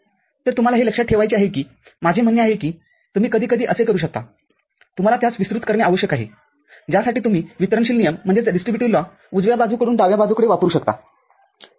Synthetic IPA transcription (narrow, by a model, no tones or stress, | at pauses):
t̪əɾt̪um̤alaɦeləkʂaʈʰːeʋajt͡ɕeaɦekiː | mad͡ʑʱem̤əɳjeaɦekiː | t̪um̤iːkəd̪ʱiːkəd̪ʱiːʔəsekəɾuːɕək̚t̪a̰ | t̪um̤alat̪jat͡sʋisɾut̪kəɾɳjaaʋəɕjəkaɦḛ | d͡ʑjasaʈiːt̪um̤iːʋit̪əɾəɳɕiːlnijəm̤ːəɳd͡zeɖisʈɾibjuʈiʋla | ud͡zʋjabad͡zuːkəɽuːnd̪aʋjabad͡zuːkəɽeʋapɾuːɕəkt̪a̰